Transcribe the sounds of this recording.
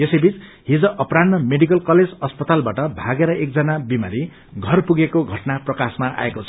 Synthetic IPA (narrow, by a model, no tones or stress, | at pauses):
esʌjbit͡s | ɦid͡zʌʔʌpɾannʌmeɽikʌlkʌled͡zʌspʌt̪albaʈʌbʱaɡeɾʌʔek̚d͡zʌnabimaɾi | ɡʱʌrpuɡekoɡʱʌʈnaprʌkasmaʔa̰ekot͡sʰʌ